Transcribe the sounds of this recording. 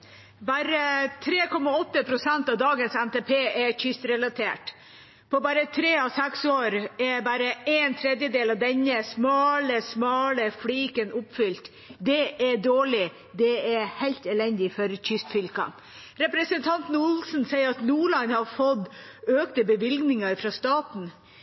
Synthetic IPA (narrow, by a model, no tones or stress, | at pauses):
bɑɾət̪ʰɾeːkʰɔmɑɔt̪ːəpʰɾʊsɛnt̪ɑʋd̪ɑːɡənsɛnt̪eːpʰeːʔɛçʏst̪ɾɛlɑt̪ʰḛːʈ | pʰɔbɑɾət̪ʰɾeːɑsɛksoːɾɛbɑɾəeːnt̪ʰɾɛd̪jəd̪eːlɑʋd̪ɛnːəsmɑːləsmɑːləfliːkənʊpfʏlt̪ | d̪ɛʔɛɖoːɭɪ | d̪ɛɛɾhæɪlt̪ɛlɛnd̪ɪfɔɾçʰʏst̪fʏlkɑ̰n | ɾɛpɾəsənt̪ʰɑnt̪nʊlsn̩sæɪəɾɑt̪nuːɭɑnhɑɾfɔd̪øːkt̪əbəʋɪlɡnɪŋəɾfɾɑst̪ɑːt̪n̩